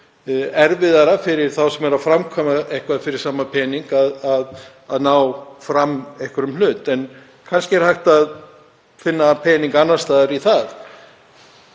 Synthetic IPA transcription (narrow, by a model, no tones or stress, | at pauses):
ɛɾvɪðaɾafɪɾɪɾ̥θawsɛmɛɾaðfɾamkʰɔːmaɛjhkvafɪɾɪɾ̥saːmapʰɛːniŋkaðað | aðnaːwfɾamːɛjhkʏɾʏmlʏːt̪ɛn | kʰanscɪɛɾ̥hajht̪að | fɪnːapʰɛːniŋkanːast̪aːðʏɾiθað